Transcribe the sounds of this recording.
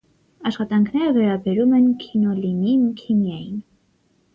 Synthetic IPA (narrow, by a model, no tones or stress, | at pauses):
ɑʃχɑt̪ɑŋkʰnɛɾəvɛɾɑbɛɾumɛnkʰinɔlininukʰimjɑjin